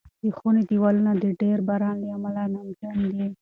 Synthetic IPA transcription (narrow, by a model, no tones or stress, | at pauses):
d̪̥ixunit̪iwalnad̪iɖeɾbaɾɑnd̪iamalanamt͡ʃand̪i